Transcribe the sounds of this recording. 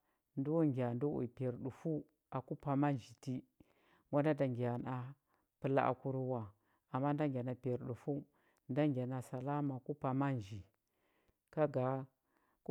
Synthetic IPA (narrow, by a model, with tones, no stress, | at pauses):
ndu˦wu˦ŋɡi˨a˨ndu˦wṵ˨pi˨e˨ɾɗu˨fu˦ | a˨ku˦pa˨ma˦n˨d͡ʒi˨ti˦ | ŋɡʷa˦nda˦da˨ŋɡi˨ja˨na˨ | pɨ˨la̰˦ʔa̰˨ku˦ɾu˦wa˨ | a˨mːa˦n˦da˦ŋɡʲa˨na˨pi˨e˨ɾɗu˨fu˦ | nda˦ŋɡʲa˨na˨sa˨la˦ma˨ku˦pa˨ma˦n˨d͡ʒi˨ | ka˦ɡa˨ | k